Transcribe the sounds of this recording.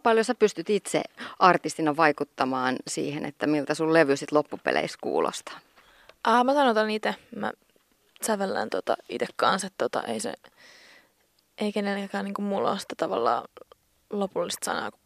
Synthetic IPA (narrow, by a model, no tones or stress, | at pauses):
pɑljosɑpyst̪yt̪it̪sḛʔɑrt̪ist̪inɑʋɑikut̪ːɑmɑːnsḭːhenḛt̪ːæmilt̪æsulleʋysit̪lopːupḛlḛiskṵːlo̰st̪ɑ̥ | ʔɑːmæsɑnot̪ɑnit̪emæ̰ | sæʋelːæ̰nt̪ot̪ɑ̰ḭt̪ekkɑnset̪t̪ːot̪ɑ̰ʔeisḛ | ʔeikenelekæːniːŋkummulːo̰ːsi̥t̪ːæt̪ɑʋɑ̰lːɑ̰ː | lopulːist̪sɑ̰nɑ̰ːku̥